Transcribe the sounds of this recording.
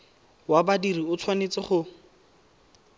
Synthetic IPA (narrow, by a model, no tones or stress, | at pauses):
wabadiriʊt͡sʰwanet͡sɪχʊ